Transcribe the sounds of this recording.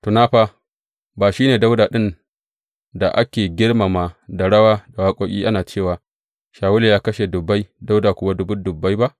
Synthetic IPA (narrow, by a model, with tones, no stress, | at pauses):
tu˨naː˦ɸaː˦ | baː˨ʃiː˦neː˨da˦wdaː˨ɗɪ˦n | da˨ʔa˦kʲeː˨ɡʲɪ˦ɽma˨maː˨da˨ɽɐ˦waː˦da˨waː˦kʼoː˦kʲʼiː˦ʔa˦naː˨t͡ʃeː˦˨waː˨ | ʃaː˨wʊ˦le˨jaː˦kɐ˦ʃe˨dʊ˨bːa˦jda˦wdaː˨kʷʊ˨wa˦dʊ˦bʊ˦dʊ˨bːa˦jba˦ʔ